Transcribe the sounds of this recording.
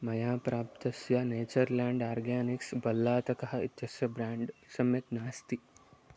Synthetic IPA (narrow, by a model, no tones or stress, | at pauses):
mɐjaːpɾaːp̚t̪ɐsjɐneːt͡ʃɐɾlaːɳɖaːɾɡaːniksbɐlːaːt̪ɐkɐɦɐ̆it̪jɐsjɐbɾaːɳɖsɐmjɐt̪naːst̪i